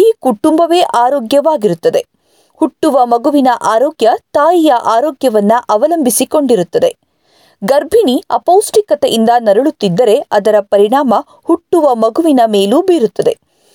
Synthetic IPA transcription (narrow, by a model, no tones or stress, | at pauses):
iːkuʈːumbɐʋeːʔaːɾoːɡjɐʋaːɡiɾut̪ːɐd̪e̞ | huʈːuʋɐmɐɡuʋinɐʔaːɾoːɡjɐt̪aːjijɐʔaːɾɔːɡjɐʋɐnːuʔɐʋɐlɐmbʱisiko̞ɳɖiɾut̪ːɐd̪e̞̰ | ɡɐɾbʱiniɐpowsʈikɐt̪eʔind̪ɐnɐɾɐɭut̪ːid̪ːɐɾe̞ɐd̪ɐɾɐpɐɾiɳaːmɐ | huʈːuʋɐmɐɡuʋinɐmeːluːbiːɾut̪ːɐd̪e̞̰